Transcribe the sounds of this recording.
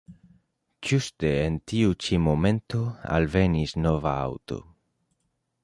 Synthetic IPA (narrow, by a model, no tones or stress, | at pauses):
d͡ʒuste̞ːntiut͡ʃimo̞me̞nto̞a̰lve̞nisno̞va̰a̰wto̞̰